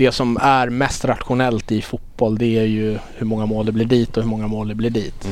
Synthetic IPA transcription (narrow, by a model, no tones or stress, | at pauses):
d̪̥ɛsɔmæɾmɛst̪ɾat̪ɧʊnɛlt̪ɪfʊt̪̚b̥ɔld̪ɛæɾjɵhɵɾmɔŋːamoːld̪ɛblɪɖiːt̪ɔhɵmɔŋːamoːld̪ɛblɪɖiːt̪